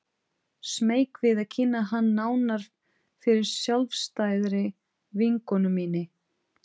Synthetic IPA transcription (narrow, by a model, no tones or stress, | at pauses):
smeːjkvɪðaðcʰɪnːaɦanːaːwnaɾ̥ | fɪɾɪɾ̥sjalvst̪aːjðɾɪ | viŋkɔnʏmːiːnɪ